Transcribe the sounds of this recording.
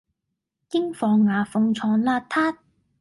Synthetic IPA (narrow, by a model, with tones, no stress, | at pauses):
kɪ˥ŋfɔː˨ŋːaː˨fʊ˧ŋt͡ʃʰɔː˨˧ŋlaː˧tt̪ʰːaː˥t̪̚